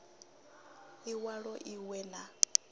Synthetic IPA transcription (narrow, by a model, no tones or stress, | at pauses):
iwaɺɔʔiwɛna